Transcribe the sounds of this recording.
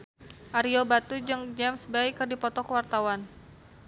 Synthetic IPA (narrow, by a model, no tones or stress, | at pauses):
ʔaɾiobat̪ud͡ʒɨŋd͡ʒɛmsbaɪkːɨrdipɔt̪ɔkəwart̪awan